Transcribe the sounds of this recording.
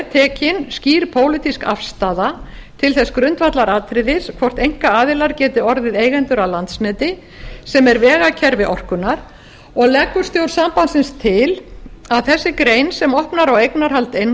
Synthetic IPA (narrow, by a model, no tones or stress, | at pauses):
t̪ʰɛːcɪnsciːɾpʰoːwlɪt̪iska̰fst̪aːða | t̪ʰɪlθɛskɾʏnt̪vat̪laɾaːt̪ʰɾɪðɪskʰvɔr̥t̪ejŋ̥kaaːðɪlaɾcɛːt̪ʏɔɾðɪðeːjɣɛnt̪ʏɾalant̪snɛːt̪ɪ | sɛmɛɾvɛːɣacʰɛɾvɪʔɔr̥kʏnaɾ̥ | ɔɣlɛkːʏ̥st̪jowɾ̥sampansɪnst̪ʰɪlaðθɛsːɪkɾeːjnsɛmɔhpnaɾawejknaɾ̥ɦalt̪ejnː